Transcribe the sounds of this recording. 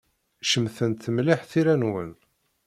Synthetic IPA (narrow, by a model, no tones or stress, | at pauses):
ʃəmθənt̪ːəmliħθiɾænwə̰n